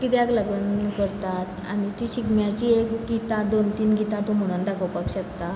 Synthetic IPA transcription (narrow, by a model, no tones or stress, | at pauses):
kit̪ɛaɡləɡənkəɾt̪at̪a̰ɽ̃it̪iɕiɡmjat͡ɕiːekɡit̪ad̪ont̪iːnɡit̪ãt̪om̤əɽ̃uːnd̪akʰəwpakɕəkt̪a